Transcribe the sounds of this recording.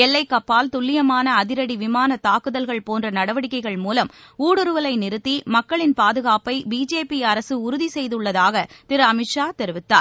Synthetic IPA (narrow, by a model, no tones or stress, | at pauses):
ɛlːɐɪkːɐpːaːlt̪ʊɭːɪjɐmaːnɐːðɪɾɐɽiʋɪmaːnɐt̪ːaːkɯðɐlɣɐɭpoːndrɐnɐɽɐʋɐɽɪkːɐɪɣɐɭmuːlɐm | uːɽɯɾɯʋɐlɐɪnɪɾɯt̪ːimɐkːɐɭɪnpaːðɯɣaːpɐɪbiːd͡ʒeːpiɐɾɐsɯʊɾʊðisɛjðɯɭːɐðaːɣɐt̪ɪɾɐmɪʈʂaːt̪ɛɾɯʋɪt̪ːa̰ːɾ